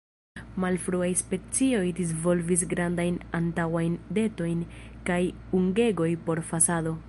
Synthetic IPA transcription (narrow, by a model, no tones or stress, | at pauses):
malfɾuajspe̞t͡sio̞jdis̬vo̞lvis̬ɡɾandajnantawajnde̞to̞jnkaj | uŋɡe̞ɡo̞jpo̞ɾfasado̞